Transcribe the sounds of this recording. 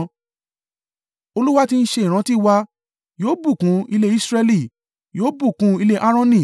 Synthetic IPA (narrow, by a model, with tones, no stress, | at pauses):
o˧lu˦wa˦ti˧n̩˦ʃe˧i˨ɾ̃ã˨˦ti˦˨wa˧ | joː˨˦bu˦˨kũ˧˦i˧le˦i˦sɾɛ˧li˦˨ | joː˨˦bu˦˨kũ˧˦i˧le˦ʔa˦ɾ̃ɔ̃˦nĩ˦˨